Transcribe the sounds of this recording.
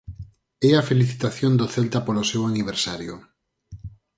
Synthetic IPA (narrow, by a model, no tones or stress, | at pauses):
ɛafeliθit̪aθjond̪oθelt̪apolosewaniβ̞eɾsaɾjo̰